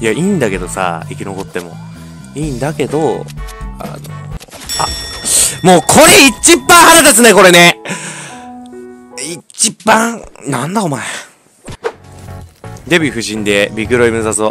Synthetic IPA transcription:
jaiːnd̪ake̞d̪o̞sa̰ikʲino̞ko̞t̪ːe̞mo̞̰ | iːnd̪ake̞d̪o̞ | a̰no̰ | a | moːkʰo̞ɾeit͡ɕibːãɰ̃haɾad̪esɨneko̞ɾe̞ne | it͡ɕibãŋnãnd̪aomae | d̪e̞bʲiɸɯ̟ɕĩnd̪e̞bʲikɯ̟ɾo̞imɯ̟zaso

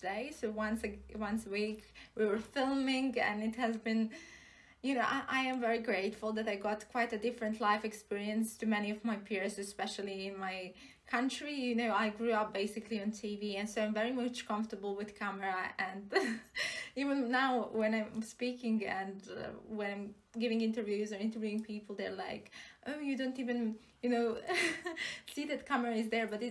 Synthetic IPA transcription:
deɪsoʊwʌ̃nsɨwʌ̃nsəwikwiwə˞fɪlˠmɪ̃ŋɡɨ̰̃nɨt̚hɨzbɨ̃n | jɨnoʊʔaɪʔaɪɨ̃ɱvɛɹiɡɹeɪtfʊl̩ˠðɨɾaɪɡɑtkʰw̥aɪɾɨdɪfɹɨ̃ntʰlaɪfɨkspɪɹiɨ̃nstʰɨmɛniʌvmaɪpʰɪɹzɨspɛʃl̩ˠiɪ̃nmaɪ | kʰʌ̃nt͡ʃɹ̥ijɨnoʊaɪɡɹuʌp̚b̥eɪsɨkʰliɨ̃ntʰiviɨ̃nsoʊãvɛɹimʌt͡ʃkʰʌ̃ɱftə˞bl̩ˠwɨð̥kʰæmə˞əɨ̃nd | ivə̃nːaʊwɛ̃nãɪ̃mspikɪ̃ŋɨ̰̃ndʌ̰wɛ̃nãɪ̃m | ɡɪvɪ̃ŋɪ̃ntə˞vjʉzə̃˞ɪ̃ntə˞vjʉɪ̃ŋpʰipl̩ˠðə̰˞laɪkʔoʊjɨdõʊ̃ntivɨ̃n | jɨnoʊ | siðɨt̚kʰʌmə˞ɨɪzðə˞bʌtɪ

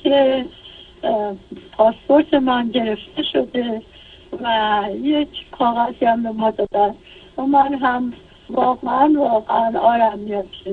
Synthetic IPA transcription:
kʰe | pʰɒːspo̞ɾt̪ʰe̞mænɟe̞ɾe̞ft̪ʰe̞ʃo̞d̪e̞ | væjecʰkʰɒːɣæziæmbemɒd̪ɒːd̪æ | omænɦæm | vɒːɣeænvɒːɣeænɒːɾæmːijɒd̪ʃe

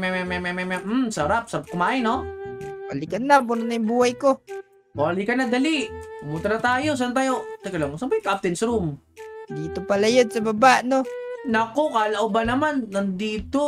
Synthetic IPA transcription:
mamamamamamamsaɾap̚saɾap̚kʊmaʔinowalikanːapʊnnaimbuajko | walikanad̪alimut̪aɾat̪aːjos̬ant̪̬ajot̪akalamosampajkaʔap̚t̪ɛnsɾum | d̪it̪opalajʊd̪̚sababaʔnonakokalaʔubanamanːand̪it̪o

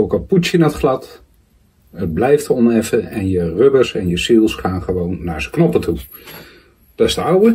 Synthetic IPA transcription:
owkɑlˠput͡ʃənaətχlɑt | əd̚blɛjftəɔnɛfəɛnjərøbəɹsɛnjəsilˠsχaːnχəʋownːaːɹzə̥knɔpətʰu | d̥ɑtɪz̥dəɑwə

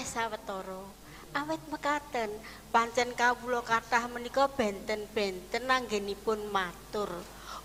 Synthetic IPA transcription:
sawət̪ɔɾɔ | ʔawɪt̪̚məkat̪ən | paɲt͡ʃɛnkawulɔkaʈahmənikɔb̥ɛ̤nt̪ənb̥ɛ̤nt̪ənːaŋɡenipʊnmat̪ʊr

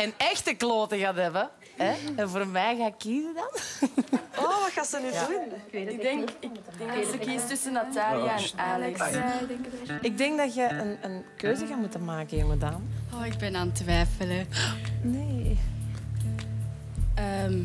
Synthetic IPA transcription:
ɛnɛxtəkloːtəɣaːtɦɛbə | ɛɛnvoːrmɛjɣaːɪkːizədɑn | oʋɑtxaːsənydunɪɡdɛŋkɪkŋsəkistʏsənːataːlijaɛnaːlɛks | ɪɡ̚dɛŋkdɑtjəʔənənkøːzəɣaːmutənmaːkəɪmədaːmoːɪɡ̚bɛnaːntʋɛjfələneː | əːm

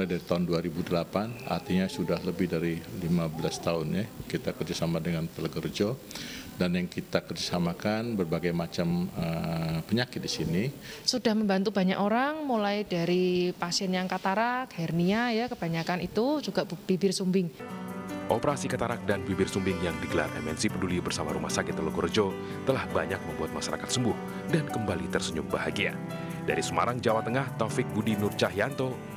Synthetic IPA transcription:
lajdaɾit̪aʊnduaɾibudəlapana̰rt̪iɲasudahləbɪhdaɾilimabəlast̪aʊnjakit̪akərd͡ʒasamadəŋant̪ələɡərd͡ʒɔdanjaŋkit̪akərd͡ʒasamakanbərbaɡajmat͡ʃaməpəɲakɪt̪̚disini | sudahməmbant̪ubaɲakoɾaŋmulajdaɾipasiɛnjaŋkat̪aɾakhɛrniajakəb̥aɲakanit̪ud͡ʒuɡaʔb̥ibɪrsumbɪŋ | ʔopəɾasikat̪aɾak̚danbibɪrsumbɪŋjaŋdiɡəla̰rɛ̰mɛ̰nsipədulibərsama̰ɾumahsakɪt̪ːəloɡord͡ʒo | t̪əlahbaɲak̚məmbuat̪̚maʃaɾa̰kat̪̚səmbʊh | dankəmbalit̪ərsəɲʊ̰ŋ̚baɦaɡia̰ | da̰ɾisəma̰ɾaŋd͡ʒawat̪əŋaht̪afɪk̚budinʊrt͡ʃaɦijant̪o

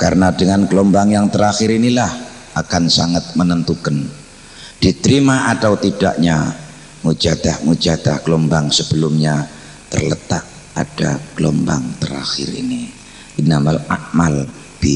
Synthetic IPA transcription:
karənadəŋankəlombaŋjaŋt̪əɾaxɪɾinilah | ʔakansaŋat̪̚mənənt̪ukan | d̥it̪əɾimaʔat̪awt̪ida̰ʔɲa | mud͡ʒad̪ahmud͡ʒad̪a̰hɡ̥əlombaŋsəbəlʊmɲa | t̪ə̰rlət̪ak̚ | a̰d̥a̰ɡ̥əlomba̰ŋt̪əɾa̰xɪ̰rḭni | inamala̰mal | b̥i

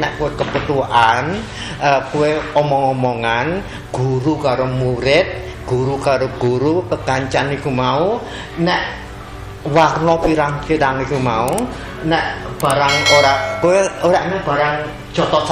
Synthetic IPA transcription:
nɛʔkuwekəbət̪uan | əkuweɔmɔŋɔmɔŋan | ɡ̥uɾukaɾomuɾɪt̪̚ | ɡ̥uɾukaɾoɡ̥uɾukəɡ̥aɲt͡ʃanikumau | nɛʔ | warnɔpiɾaŋpiɾaŋikumau | nɛʔb̥aɾaŋoɾaʔkueoɾaʔnɛb̥a̤ɾaŋ̥ | d͡ʒ̥ɔt̪ɔs

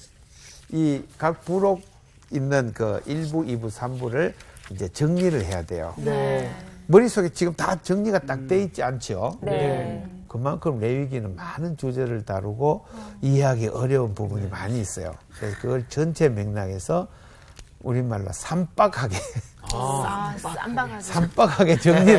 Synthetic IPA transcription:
ikak̚puɾoɡ̚ | inːɯnkɯ̰iɭbuʔibusʰambuɾɯɭind͡ʑe̞t͡ɕɯŋɲiɾɯɭhe̞jade̞̰jo̰ | mɯɾisʰoɡe̞t͡ɕiɡɯmtat͡ɕɯŋɲiɡat͈ak̚t͈we̞it̚t͡ɕ͈iant͡ɕʰio | kɯmankʰɯmɾe̞iɡinɯnmanɯnt͡ɕud͡ʑeɾɯɭtaɾuɡoiɦeɦaɡiʔʌɾjʌunpubuɲimaɲiːs͈ʌ̰jo̰kɯɾe̞s̬ʰʌkɯɡʌɭt͡ɕʌnt͡ɕʰe̞meŋnaɡe̞sʰʌ | uɾimaɭːa̰sʰamp͈akʰhaɡe̞ | sʰamp͈ak̚haɡe̞t͡ɕɯŋɲi

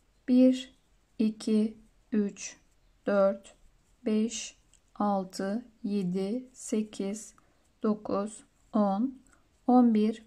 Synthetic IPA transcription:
b̥iɾ | icʰi | yt͡ʃ | d̪̥øɾt̪ | bɛʃ | alˠt̪ʰɯjed̪ise̞cʰiz̥ | d̪̥o̞kʰuz̥ | on | onbiɾ

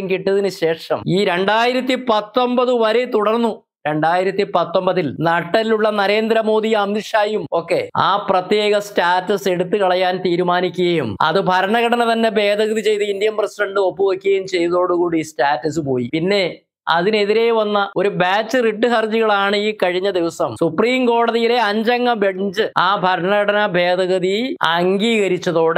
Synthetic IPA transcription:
ŋkiʈːɐðinɨɕe̞ːʂɐ̰miːɾe̞ɳɖaːjiɾɐt̪ːipɐt̪ːo̞mbɐðɨʋɐɾet̪uɽɐrnːu | ɾe̞ɳɖaːjiɾɐt̪ːipɐt̪ːo̞mbɐðilnɐʈːɐliluɭːɐnɐɾe̞ːnd̪ɾɐmo̞ːd̪ijɐmːiʂaːjumo̞ːkːe̞a̰ːprɐt̪jeːɣɐstaːtːɐse̞ɽut̪ːɨkɐɭɐjaːnt̪iːɾumaːnikʲːuɣɐjumɐ̰ðɨbʱɐɾɐɳɐɣɐʈɐnɐt̪ɐnːe̞be̞ːd̪ʱɐɣɐðit͡ɕe̞jt̪ɨind̪ijɐmprɐsiɖɐɳɖɨo̞pːuʋɐkʲːuɣɐjumt͡ɕe̞jðɐðo̞ːɽukuːɽiːstaːtːɐsɨpo̞ːjipinːe̞ | ɐðine̞ðiɾejʋɐnːɐo̞ɾubaːt͡ɕːɨriʈːɨɦɐrd͡ʑiɣɐɭaːɳɨiːkɐɻiɲːɐd̪iʋɐsɐmsupriːmko̞ːɽɐðijile̞ɐɲd͡ʑɐŋːɐbeɽɲd͡ʑɨaːbʱɐɾɐɳɐɣɐɽɐnɐbʱe̞ːd̪ʱɐɣɐðiɐŋɡiːɣɐɾit͡ɕːɐðo̞ːɽ

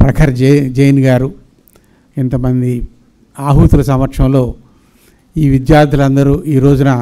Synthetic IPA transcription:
pɾɐkʰɐɾɐd͡ʒɐjnɡaːɾu | ɛnt̪ɐmɐnd̪i | aːɦuːt̪ulɐs̬ɐmʋɐɾkʂɐ̃mlo̞ː | iːʋid̪jaːɾd̪ʱɐlɐnd̪ɐɾuːiːɾo̞ːd͡ʒunɐ

